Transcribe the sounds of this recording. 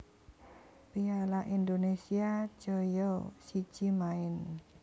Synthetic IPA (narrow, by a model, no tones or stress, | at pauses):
pialaʔind̪onesiḁd͡ʒ̥ojɔsid̥ʒ̥imaɪn